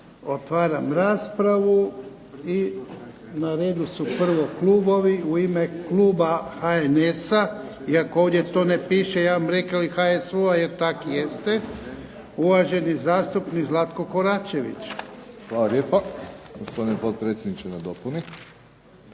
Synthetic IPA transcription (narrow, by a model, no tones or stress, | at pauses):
o̞t̪ʋaːɾamɾaːspɾaʋu | i | naɾe̞ːd̪usupr̩ʋo̞klˠuːbo̞ʋiuime̞kluːbaxaenesa | iakooːʋd̪je̞t̪o̞ːnepiːʃejaːʋamɾekalixaesuaje̞ɾt̪akijest̪e | uʋaʒe̞nizaːst̪upnikzlˠat̪ko̞ko̞ɾaːt͡ʃe̞ʋḭt͡ʃxʋaːlaɾjeːpaɡospo̞d̪inepot̪̚pɾet̪sjed̪nit͡ʃenad̪opuni